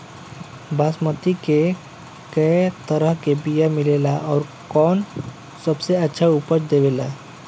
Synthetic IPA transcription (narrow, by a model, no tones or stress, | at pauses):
baːsmət̪ike | kəjt̪əɾəɦkebijamɪlelaʔɔːɾ | kɔːn | səbseətːʃʰaupət͡ʃd̪eʋeːla